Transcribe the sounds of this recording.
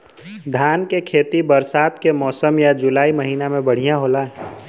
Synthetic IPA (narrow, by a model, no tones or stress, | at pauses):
d̪ʱaːnkekʰeːt̪ibəɾsaːt̪kemɔːsəmjad͡ʒʊlaːiməɦiːnamẽbəɽ̤ijãɦoːlaɦɛː